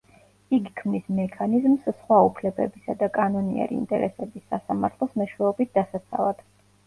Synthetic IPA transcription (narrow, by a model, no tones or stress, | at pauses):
iɡikʰmnismɛkʰanizmssχwaupʰlɛbɛ̰bisad̪akʼanɔniɛ̰ɾḭːnt̪ʼɛ̰ɾɛ̰sɛbisːasamaɾt̪ʰlˠɔsmɛʃwɛɔbit̪̚ʰd̪̥asat̪sʰa̰vad̪̥